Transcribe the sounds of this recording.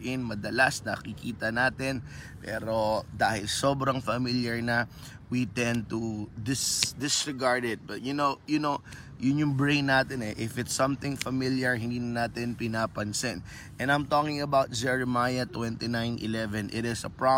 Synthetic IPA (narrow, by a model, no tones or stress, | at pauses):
ʔɪnmɐd̪ɐlasnɐ̰kikiːt̪ɐnaːt̪ɪnpɛ̰ːɾod̪aːhɪlsoːbɾɐŋfɐmiljɐɹnɐ | wit̪ɛ̃nt̪ud̪ɪsd̪ɪsɹɛɡaɹd̪ɛd̪̚bɐt̪̚jʊnowjʊno | jʊnjʊŋbɹẽjnːaːt̪ɪnɛʔɪfɪt̪sːɐ̃mθɪŋfɐmɪljɐɹhɪnd̪iːnɐnaːt̪ɪnpɪnaːpɐnsɪn | ʔɛ̃nɐjmt̪okɪ̃ŋɐbawt̪̚d͡ʒɛɹɛmajɐt̪wɛ̃nt̪inãjnʔɪ̰lɛvɛ̃nʔɪt̪ɪsɐpɹa